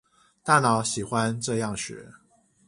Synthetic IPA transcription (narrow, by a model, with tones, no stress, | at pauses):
t̪a˥˩nɑ˨˦ʊɕi˨˩xwa˦nʈ͡ʂɤ˥˧jɑ˥˩ŋɕɥɛ̰˨˧˥